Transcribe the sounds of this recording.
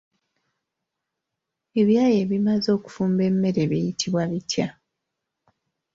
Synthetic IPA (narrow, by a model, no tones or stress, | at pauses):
e̞βjaːje̞ːβimazo̞ːku̥fuːmbe̞mːe̞ɾe̞βejitʰiβwaβitʰja